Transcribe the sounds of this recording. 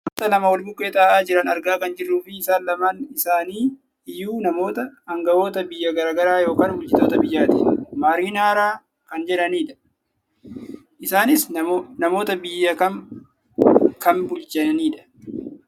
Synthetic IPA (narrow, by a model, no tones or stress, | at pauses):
mt̪ɐlɐmɐwɐlbʊkʼːeːt̪ɐːʔaːd͡ʒɪɾɐnɐɾɡaːkɐnd͡ʒɪrːuːfɪːsaːnlɐmaːnɪsaːniː | ɪjːuːnɐmo̞ːt̪ɐɐŋɡɐʔo̞ːt̪ɐbɪjːɐɡɐɾaːɡɐɾaːjo̞ːkaːnbʊlt͡ʃɪt̪oːt̪ɐbɪjːaːt̪ɪmaːɾiːnaːɾaː | kɐnd͡ʒɛᶑɐniːᶑɐ̥ | ʔɪsaːnɪsnɐmo̞ːt̪ɐbɪjːɐkɐ | kɐnbʊlt͡ʃʼɛniːᶑɐ̥